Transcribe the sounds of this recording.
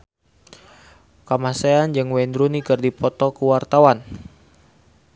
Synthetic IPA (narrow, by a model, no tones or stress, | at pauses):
kamaseand͡ʒɨŋwɛnd̪ɾunikɨrdipɔt̪ɔkəwart̪awan